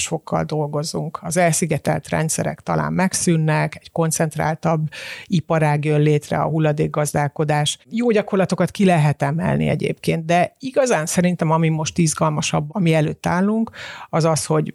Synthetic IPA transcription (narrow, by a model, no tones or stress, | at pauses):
ʃo̞kʰːɒ̰ld̪o̞lɡo̞zuŋkɒzɛlsiɡɛt̪ɛ̰lt̪rɛ̰nt̪sɛɾɛ̰kt̪ɒ̰lʔa̰ːmːɛksynːɛkɛcko̞nt̪sɛnt̪ra̰ːlt̪ɒbːipɒɾaːɡjølleːt̪rɛ̰ɒ̰ɦulːɒd̪eːɡːɒzd̪aːlko̞d̪aːʃjoːɟɒko̞rlɒt̪okɒt̪kilɛɦɛt̪ɛmɛ̰lnḭɛ̰ɟḛːpkeːnt̪̚d̪ɛiɡɒzaːnsɛɾint̪ɛmɒmimo̞ʃt̪izɡɒlmɒʃɒbːɒmiɛløːt̪ːaːlːuŋkɒzɒsho̞ɟ